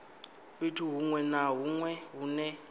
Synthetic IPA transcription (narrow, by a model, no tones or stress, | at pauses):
fitʰuɦuŋwɛnaɦuŋwɛɦunɛ